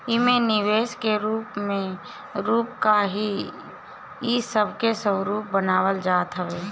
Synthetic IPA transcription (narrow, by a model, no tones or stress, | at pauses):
ɪmẽnɪʋeːskeɾuːpmẽ | ɾuːpkaɦi | isəbʱkesəwɾuːp̚bənaːwəld͡ʒaːt̪ɦəʋeː